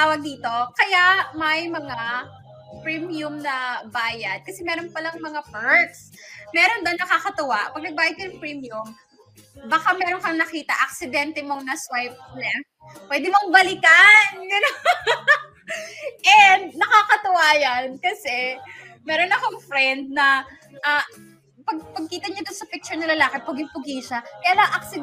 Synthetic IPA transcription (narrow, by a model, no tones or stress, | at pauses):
t̪aːwɐɡ̚d̪iːt̪o̞kɐjaʔmɐjmɐŋa | pɹimjʊmnɐbaːjɐd̪̚kɐsɛmɛːɾo̞npɐlɐŋmɐŋapɛɹt̪smɛːɾonbɐnɐkakɐt̪ʊwaʔpɐɡ̚nɐɡ̚baːjɐd̪kɐnɐŋpɹimjʊm | bɐkamɛːɾonkɐŋnɐkiːt̪ɐʔɐk̚sɪd̪ɛnt̪ɛmo̞ŋnɐswajp̚lɛŋk | pwɛːd̪ɪmoŋbɐlɪkanɡɐno | ʔɛnd̪nɐkakɐt̪ʊwaːjankɐsɛ | mɛːɾonɐkoŋfɾɛnd̪̚nɐ | ʔa | pɐɡ̚pɐɡ̚kiːt̪ɐɲɐd̪onsɐpɪk̚t͡ʃʊɹnɐlɐlaːkɪpʊɡɪŋpʊɡiʃɐkɐjaːlaŋʔɐksɪ